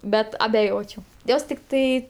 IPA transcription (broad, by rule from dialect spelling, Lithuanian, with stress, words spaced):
ˈbʲɛt ɐbʲɛˈjoːt͡ʃʲɛʊ ˈjoːs tʲɪkˈtɐɪ